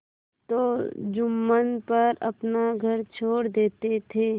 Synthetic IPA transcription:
t̪oːd͡ʒʊmːənpɐɾɐpnaɡʱɐɾt͡ʃʰoːɽd̪eːt̪et̪ʰeː

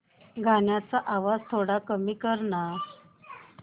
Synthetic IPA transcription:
ɡʱaɳjat͡saʔaʋad͡zt̪ʰoɽakəmiːkəɾɳa

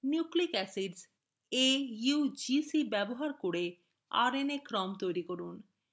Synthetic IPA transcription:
njuklikɛsiɖz | ejud͡ʑisibɛboɦaɾkoɾe | a̰ɾenekɾɔmt̪ojɾikoɾun

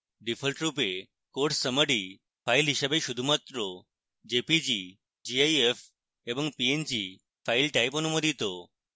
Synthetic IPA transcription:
ɖifʰəlʈɾupe | koɾʈsəməɽi | failɦiɕəbeʃud̪ʱumat̪ɾo | d͡ʑepid͡ʑi | d͡ʑiajef | eʋəŋɡpiend͡ʑi | failʈajpənumod̪ʱit̪o

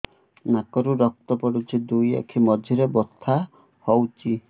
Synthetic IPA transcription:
nakɔɾuɾɔk̚t̪ɔpɔɽut͡ʃʰid̪uja̰kʰimɔd͡ʒʱiɾebɔst̪ʰːa | hɔwt͡ʃʰi

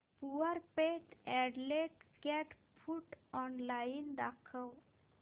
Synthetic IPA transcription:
puəɾpeʈɛɖleʈkɛʈ | fʰuʈɔnlaind̪akʰəw

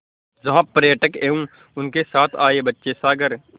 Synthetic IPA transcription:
zɐɦãːpːəɾjəʈəkeːũː | ʊnkesaːt̪ʰaːeːbətːʃesaːɡəɾ

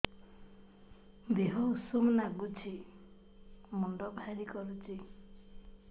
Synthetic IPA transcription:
beɦɔusumnaɡut͡ʃʰi | mɔɳɖɔbʱaɾikɔɾut͡ʃʰi

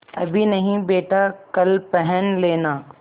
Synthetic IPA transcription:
ɐ̰bʱinɐɦĩbeːʈakɐlpɛɦənleːnaː

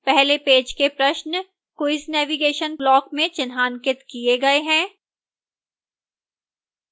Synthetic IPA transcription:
pɛɦlepeːd͡ʒkepɾɐʃn | koɪsnɛːʋiɡeːʃənblɔːkmẽt͡ʃɪnɦaːnkɪt̪kieɡɐeɦɛ̃ː

